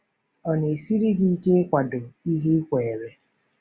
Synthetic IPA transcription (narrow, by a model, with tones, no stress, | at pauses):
ɔ˨ne˨si˦ɾi˦di˦i˦ke˦kʷa˨do˨i˦ɦi˦kʷe˨e˨ɾe˦